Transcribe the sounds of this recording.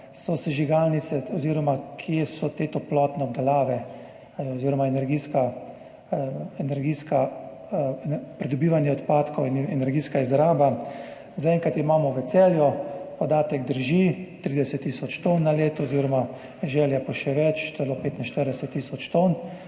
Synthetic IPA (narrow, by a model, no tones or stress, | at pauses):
sɔsɛʒiɡalnit̪sɛɔziːɾɔmakʰjesɔt̪eːt̪ɔplɔt̪nɛɔb̚d̪ɛlaːʋɛ | ɔziːɾɔmaɛnɛɾɡiːska | ɛnɛɾɡiska | pɾɛd̪ɔbiːʋanjɛɔt̪paːt̪kɔwinɛnɛɾɡiːskaizɾaːba | zaɛŋkat̪imaːmɔʋɛsɛːljɔpɔd̪aːt̪ɛɡd̪əɾʒit̪ɾiːd̪ɛsɛt̪ːiːsɔt͡ʃt̪onːaleːt̪ɔːziːɾɔma | ʒɛːljapɔʃɛʋɛt͡ʃt̪sɛlɔpeːt̪inʃt̪əɾd̪ɛsɛt̪ːiːsɔt͡ʃt̪on